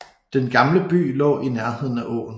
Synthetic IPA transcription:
d̥enɡ̥ɑ̈mləb̥y̰ːlɒ̰̽ːinæɐɦe̝ð̞̰ˠn̩æʔɔ̰ːn̩

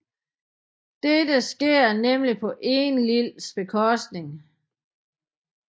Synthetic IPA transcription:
d̥edəsɡ̥e̝ɐ̰nemlipʰɒ̽ʔe̝nlilsb̥e̝kʰɒ̽sd̥ne̝ŋ

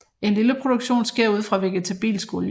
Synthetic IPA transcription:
e̝nliləpʰʁo̝d̥uɡ̥ɕo̝̰ːnsɡ̥e̝ɐ̰uð̞̰ˠfʁɑ̈ʋe̝ɡ̥ət͡sʰæb̥ḭːlsɡ̥o̝l

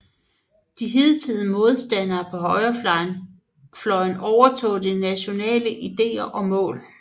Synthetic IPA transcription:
d̥iɦeðˠt͡sʰið̰ˠmo̝ð̞ˠsd̥ænɐpʰɒ̽ɦɒ̽ɪɐ | flɒ̽ɪnɒʊɐt͡sʰɔ̰̽ːdinæɕo̝nɛ̰ːləʔid̥e̝̰ːɐʔɒ̽mɔ̰̽ːl

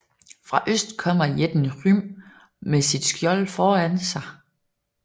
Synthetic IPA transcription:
fʁɑ̈ʔøsd̥kʰɒ̽m̰ɐjed̥nʁym | mesid̥sɡ̥jɒ̽lfɒːænsɑ̈ɪ

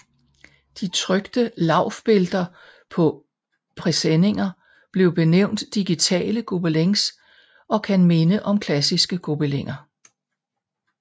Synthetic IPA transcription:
d̥it͡sʰʁœɡ̥d̥əlɑ̈ʊ̰fb̥e̝ld̥ɐ | pʰɒ̽ | pʰʁɛsene̝ŋɐ | b̥le̝ʊb̥e̝neʊ̰nd̥ːiɡ̥it͡sʰɛ̰ːləɡ̥ob̥eleŋs | ʔɒ̽kʰænme̝nəʔɒ̽mkʰlæsisɡ̥əɡ̥ob̥eleŋ̰ɐ

